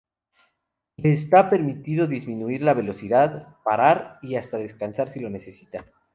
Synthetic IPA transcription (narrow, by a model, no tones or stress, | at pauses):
leːs̬t̪ape̞ɾmit̪iðo̞ðizmĩnuiɾlaβ̞e̞lo̞siðaðpaɾaɾiast̪aðe̞skansaɾsilo̞ne̞se̞si̥t̪a